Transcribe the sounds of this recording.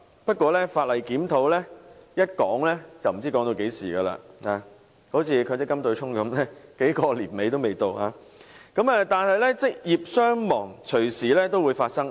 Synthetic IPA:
pɐ˥t̚kʷɔː˧lɛː˥faː˧t̚lɐ˨jkiː˨˥mt̪ʰo˨˧˥wlɛː˥jɐ˥t̚kɔː˨˥ŋlɛː˥t͡sɐ˨wm̩˨˩t͡si˥kɔː˨˥ŋt̪o˧ke˨˥jsiː˨˩ɡɐː˧la̰ː˧a˨˧ | ho˨˥wt͡sʰiː˨˧kʰɵ˨˧tt͡sɛ˥kːɐ˥mt̪ɵ˧ɥt͡ʃʰʊ˥ŋkɐ˨˧˦mlɛː˥ke˨˥jkɔː˧liː˨˩nme˨˧jt̪o˥wme˨jt̪o˧whaː˨˧˦kɐ˨˥mɐː˧t̪aː˨nhɐ˨jlɛ˥t͡sɪ˥k̚jiː˨p̚sœː˥ŋmɔː˨˩ŋt͡ʃʰɵ˨˩ɥsiː˨˩lɛː˥t̪o˥wuː˨˧jfaː˧t̚sɐ˥ŋ

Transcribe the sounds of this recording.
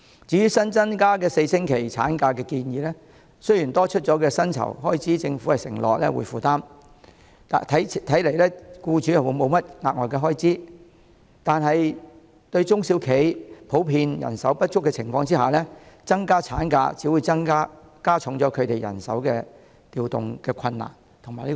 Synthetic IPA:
t͡siː˨˥jyː˥sɐ˥nt͡sɐ˥nkaː˥kɛː˧se˧jsɪ˥ŋkʰe˨˩jt͡sʰa̰ː˨˥nkaː˧kɛː˧kiː˧njiː˨˧lɛ˥ | sɵ˥ɥjiː˨˩nt̪ɔː˥t͡ʃʰɵ˥t̚t͡ʃɔː˨˥kɛː˧sɐ˥nt͡sʰɐ̰˨˩wɦɔː˥jt͡siː˨˥t͡sɪ˧ŋfu˨˥hɐ˨jsɪ̰˨˩ŋlɔ̰ː˨k̚lɛ̰˥wṵ˨˩jfuː˨t̪aː˥m̰˨ | t̪ʰjʰt̪ʰɐ˨˥jle˨˩jlɛː˥kuː˧t͡ʃyː˨˥jɐ˨wu˨˧˥mo˨˧wmɐ˥t̚ŋaː˨k̚ŋɔː˨jkɛː˧ɦɔː˥jt͡siː˥ | t̪aː˨nɦɐ˨j | t̪ɵ˧ɥt͡ʃʊ˥ŋsi˨˥wkʰe˨˥jpʰo˨˥wpʰiː˧njɐ̰˨˩nsɐ˨˥wpɐ˥t̚t͡ʃʰʊ˥kːɛː˧t͡sʰɪ˨˩ŋfɔː˧ŋt͡si˥haː˨˩lɛ˥t͡sɐ˥ŋkaː˥t͡sʰaː˨˥nka̰ː˧t͡siː˨˥wu˨˧jt͡sɐ˥ŋkaː˥ | kaː˥t͡ʃʰʊ˨˧˥ŋt͡sɔː˨˥kʰɵ˨˧ɥt̪e˨jɐ̰˨˩nsɐ˨˥wkɛː˧ | t̪iː˨wt̪ʊ̰˨ŋkɛː˧kʷʰɐ˧nːa̰ː˨˩n | t̪ʰʊ˨˩ŋmaː˨˩jli˥

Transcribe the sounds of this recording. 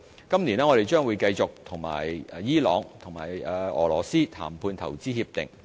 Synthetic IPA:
kɐ˥mnliː˨˩nɛ˥ŋɔː˨˧ɾe˨˩jt͡ʃœː˥ŋwu˨˧jkɐ˧jt͡sʊ˨k̚t̪ʰʊ˨˩ŋma̰ː˨˩jjiː˥lɔː˨˧ŋt̪ʰʊ˨˩ŋma̰ː˨˩jɛː˧ɔ̰ː˨˩lɔ̰ː˨˩siː˥t̪ʰa̰ː˨˩mpʰuː˧nt̪ʰɐ˨˩wt͡siː˥hiː˧p̚t̪ɪ̰˨ŋ

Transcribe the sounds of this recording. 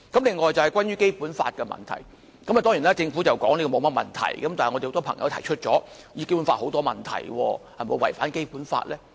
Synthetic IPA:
kɐ˨˥mlɪ˨ŋːɔː˨jt͡sɐ˨whjkwaː˥njyː˥ke˥jpuː˨˥nfa̰ː˧t̚kɛ˧mɐ̰˨˩nt̪ʰɐ̰˨˩j | kɐ˨˦mɐ˨t̪ɔː˥ŋji˨˩nlɛː˥t͡sɪ˧ŋfu˨˥t͡sɐ˨wkɔː˨˥ŋliː˥kɔ˧mo˨˧wmɐ˥t̚mɐ̰˨˩nt̪ʰɐ̰˨˩jkɐ˨˦mtaː˨ŋɔː˨˧te˨ht̪ɔ˥pʰɐ˨˩ŋjɐ̰˨˧wt̪ʰɐ˨˩jt͡ʃʰɵ˥t̚t͡sɔː˨˥ | ji˨˧ke˥jpu˨˦nfaː˧t̚ho˨˥wt̪ɔː˥mɐ˨˩nt̪ʰɐ̰˨˩jwɔː˧hɐ˨˩mo˨˧wɐ̰˨˩jfaː˨˥nke˥jpuː˨˥nfa̰ː˧t̚lɛː˥

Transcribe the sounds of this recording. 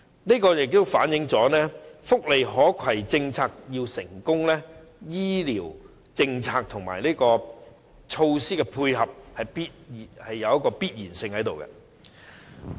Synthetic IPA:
niː˥kɔː˧jɪ˨k̚t̪o˥wfaː˨˥njɪ˨˥ŋt͡sɔː˨˥nɛː˥fʊ˥k̚le˨jɦɔː˨˥kʷʰɐ˨˩jt͡sɪ˧ŋt͡sʰaː˧k̚jiː˧wsɪ˨˩ŋkʊ˥ŋlɛː˥jiː˥liː˨˩w | t͡sɪ˧ŋt͡sʰaː˧k̚t̪ʰʊ˨˩ŋma̰ː˨˩jliː˥kɔː˧ | t͡ʃʰo˧wsiː˥kɛ˧pʰuː˧jhɐ˨p̚hɐ˨jpi˥t̚ːhɐ˨jːɐ˨˧wjɐ˥kːɔː˧piː˥t̚jiː˨˩nsɪ˧ŋhɐ˨˥jt̪o˨˩wkɛ̰˧

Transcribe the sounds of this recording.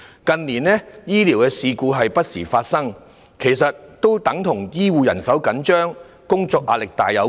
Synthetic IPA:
kɐ˨nliː˨˩nɛː˥jiː˥li˨˩wkɛː˧siː˧kuː˧ɦɐ˨jpɐ˥t̚siː˨˩faː˧t̚sɐ˥ŋ | kʰe˨˩jsɐ˨t̚t̪o˥wt̪ɐ˨˥ŋt̪ʰʊ˨˩ŋjiː˥wuː˨˧jɐ̰˨˩nsɐ˨˥wkɐ˨˥nt͡ʃœː˥ŋ | kʊ˥ŋt͡sɔː˧k̚ʔa̰ː˧lɪ˨k̚t̪aː˨jɐ˨˧w

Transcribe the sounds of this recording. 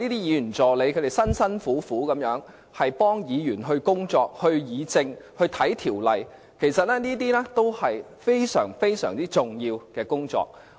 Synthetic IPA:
niː˥t̪iː˥jiː˨˧y˨˩nt͡sɔː˨le˨˧jkʰɵ˨˧ɾe˨jsɐ˥nsɐ˥nfuː˨˥fuː˨˥kɐ˨˧˥mjœː˨˥ŋ | hɐ˨jpɔː˥ŋjiː˨˧jyː˨˩nɦɵ˧ɥkʊ˥ŋt͡sɔː˧k̚hɵ˧ɥjiː˨˧t͡sɪ˧ŋhɵ˧ɥt̪ʰɐ˨˥jt̪ʰiː˨˩wlɐ˨j | kʰe˨˩jsɐ˨t̚lɛː˥niː˥t̪̬iː˥nɛː˥t̪o˥whɐ˨j | fe˥jsœ̰ː˨˩ŋfe˥jsœ̰ː˨˩ŋt͡siː˥t͡sʊ˨ŋjiː˧wkɛː˧kʊ˥ŋt͡sɔ̰ː˧k̚

